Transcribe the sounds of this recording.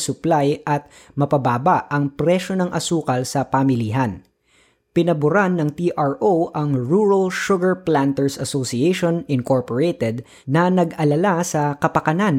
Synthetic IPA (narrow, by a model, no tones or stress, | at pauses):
sʊplajʔɐt̪̚ | mɐpɐbaːbaɐŋpɾɛʃonɐŋʔɐsuːkɐlsɐpamɪliɦɐn | pɪnɐbʊɾanːɐŋt̪iʔaɹʔowʔɐŋɹuɹɐlʃʊɡɐɹplant̪ɛɹsɐsosiejʃonɪnkoɹpɔɹet̪ɛd̪̚ | nɐnɐɡɐlɐlasɐkɐpɐkɐnan